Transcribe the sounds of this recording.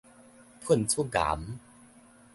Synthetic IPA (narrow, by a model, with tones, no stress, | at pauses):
pʰu˥˩˨nt͡sʰu˥˨ɡa̰ː˨˦m